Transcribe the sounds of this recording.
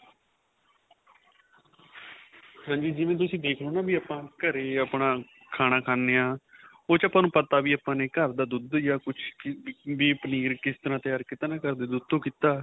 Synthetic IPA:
hãːd͡ʒiːd͡ʒɪʋẽːt̪̬ʊsĩːd̪eːkʰnoːnãːbiːaːpãːkəɾeːaːpnãː | kʰaːnaːkʰaːneːãː | oːt͡ʃaːpãːnũːpət̪aːʋiːaːpãːneːkəɾd̪aːd̪ʊd̪jaːkʊt͡ʃʰʋiːpəniːɾkɪst̪əɾãːt̪ɪjaːɾkɪt̪aːnẽːkəɾd̪eːd̪ʊd̪õːkiːt̪aː

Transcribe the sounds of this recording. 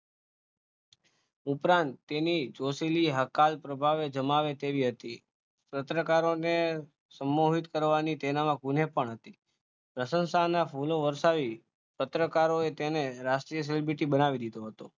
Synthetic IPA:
upɾãnt̪ːenit͡ʃosiliɦəkalpɾəbʱaʋed͡ʒəmaʋet̪eʋiɦət̪i | pət̪ɾəkaɾone | səmːoɦit̪kəɾʋanit̪ɛnamãɡun̤epəɳɦət̪i | pɾəsə̃nsanafʰuloʋəɾʃaʋi | pət̪ɾəkaɾoet̪eneɾasʈɾijəs̬elebɾiʈibənaʋid̪id̪oɦət̪o

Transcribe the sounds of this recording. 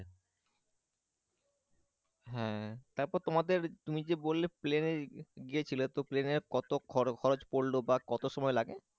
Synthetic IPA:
ɦɛ̃t̪aɾpɔɾt̪omad̪eɾt̪umid͡ʑebolːepleneɡiet͡ɕʰilot̪opleneɾkɔt̪okʰɔkʰɔɾod͡ʑpoɽlobakɔt̪oʃɔmɔelaɡe

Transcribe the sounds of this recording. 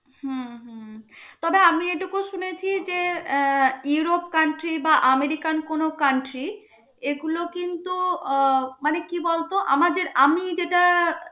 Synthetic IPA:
huɦt̪ɔbeamieʈukoʃunet͡ɕʰid͡ʑe | iuɾop̚kaɳʈɾibaʔameɾikankonokaɳʈɾi | eɡulokint̪u | manekibɔlt̪oʔa̰mad̪eɾamid͡ʑeʈa

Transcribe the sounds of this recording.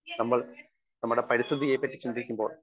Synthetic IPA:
nɐmːɐɭ | nɐmːuɽepɐɾist̪ʰɨðieːpːɐtːi̥t͡ɕind̪iɾikʲːumbo̞ːɭ

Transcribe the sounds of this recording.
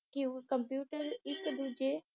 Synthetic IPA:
kiukɐmpjuːʈəɾɪkd̪ud͡ʒe

